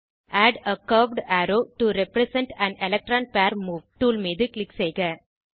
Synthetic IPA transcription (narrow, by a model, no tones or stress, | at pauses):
ʔæːɖəkɐːʋɖæːɾoːʈuɾɛpɾɛsɛ̃ɳʈæ̃nɛlɛk̚ʈɾãːnpæːɾmuːʋʈuːlmiːðɯklɪkseɪɡɐ